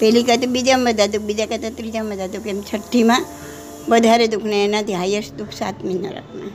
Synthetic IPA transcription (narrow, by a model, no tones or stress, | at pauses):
pɛlikət̪abid͡ʒamʋəd̪ʱad̪uk̚bid͡ʒakət̪ʰat̪ɾid͡ʒaməd̪ad̪ukʰemt͡ʃʰəʈʰːimã | ʋəd̪ʱaɾed̪ukʰneenat̪iɦajəʃd̪ukʰsa̰t̪minə̰ɾə̰pna